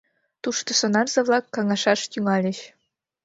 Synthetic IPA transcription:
t̪uʃt̪ŏsonɑrzɤ̆βlɑkːɑŋɑʃɑʃt̪yŋɑlʲĕɕ

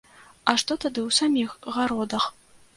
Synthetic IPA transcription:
ɐʂt̪ɔt̪ad̪ɨwsamʲixɣaɾɔd̪ɐx

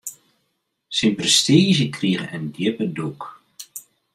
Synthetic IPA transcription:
sinprəstiːzəkriɣənəndjɪpəduk

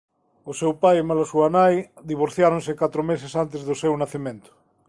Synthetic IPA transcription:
osewpajemalasuanajd̪iβ̞oɾθjaɾõnsekat̪ɾomesesant̪ezðosewnaθimẽnt̪ʊ̥

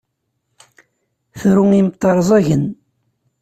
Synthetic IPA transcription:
θɾuimət̪ˤːɑɾˤzˤɑʝən

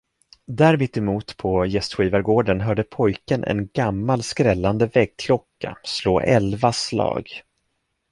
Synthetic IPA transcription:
d̪æːɾmɪt̪ːɛmuːt̪pʰɔjɛst̪ɧiːvaɾɡoːɖənɦœːɖəpʰɔjkənʔɛ̰nɡamːalskɾɛlːand̪əvɛɡ̚kʰlɔkːa̰sloːʔɛ̰lvaslɑ̰ːɡ

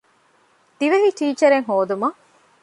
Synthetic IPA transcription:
d̪̥iʋɐɦiʈiːt͡ʃɐɾeŋɦoːd̪umɐ

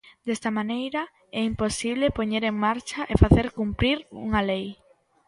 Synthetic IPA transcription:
d̪̥est̪ɐmanejɾɐ | ɛimposiβlepoɲeɾeŋmaɾt͡ʃɐʔefaθeɾkumpɾiɾṵŋɐlej

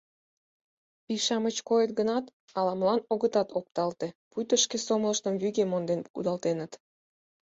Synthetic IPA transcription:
piʃɑmət͡ɕkojət̪̚ɡənɑt̪ | ɑlɑmlɑnoɣət̪ɑt̪ʰop̚t̪ɑlt̪epujt̪əʃkesomləʃt̪əmβyɣemond̪enkud̪ɑlt̪enət̪

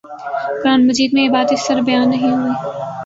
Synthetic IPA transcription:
ɡ̥ɾaːnmɐd͡ʒiːd̪̚mẽeːbaːd̪ɪst̪ɐɾbɐjaːnːɐɦĩɦuiː

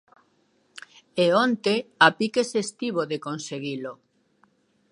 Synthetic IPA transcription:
eont̪eapikesest̪iβoðekonseɣilo

